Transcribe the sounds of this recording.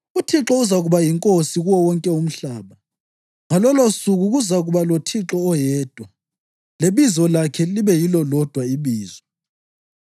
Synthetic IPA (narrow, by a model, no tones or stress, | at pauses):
utʰiǁɔuzaɣuβajiŋkʼosiɣuwɔwɔŋkʼɛum̩ɬaːβa | ŋalɔlosuɣuɣuzaɣuβalotʰiǁɔːjɛːd̥ʱwa | leβizɔlakʰɛliβɛjilɔlɔd̥ʱwaiβiːzɔ